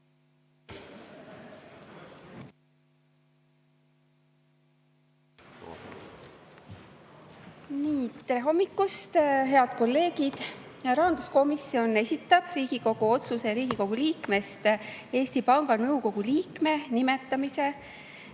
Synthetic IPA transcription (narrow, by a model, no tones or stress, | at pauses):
niːt̪t̪ːeeɦo̞mːikːˑust̪ɦe̞ɑd̪̥̚ko̞lːe̞ːɡid̪̥jɑɾɑːnd̪̥usko̞misːio̞ne̞sʲit̪ːˑɑb̥riːɡ̥iko̞ɡ̥uo̞t̪suse̞ɾiːɡ̥iko̞ɡ̥uliːkme̞st̪e̞ːsʲt̪ipɑŋɡɑnɤwko̞ɡ̥uliːkme̞nime̞t̪ːˑɑmise̞